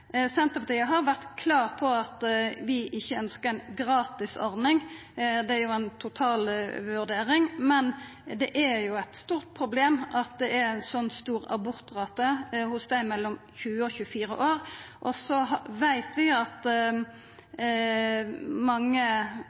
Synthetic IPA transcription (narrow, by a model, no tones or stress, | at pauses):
sɛnt̪əpʰɑt̪ʰiːəɦɑɾʋæʁt̪kʰlɑːʁpʰɔɑt̪ʋɪʔɪçːəœnskəʁæɪnɡʁɑːt̪ɪsɔ̰ɾnɪŋ | d̪ɛæɾjʊænt̪ʰʊt̪ʰɑːlʋʉʁd̪eːʁɪŋmɛn | d̪ɛʔæɾjʊæɪt̪st̪uːʁt̪̚pʰɾʊbleːmɑt̪̚d̪ɛʔæɾænsɔnːst̪uːʁɑ̰bʊɾt̪ʁɑːt̪əhʊsd̪æɪmɛlːɔmçʉːəɔçʉːəfiːɾə̰ʔoːʁʔɔsɔɦɑʋæɪt̪ʰʋɪɑt̪ | mɑŋːə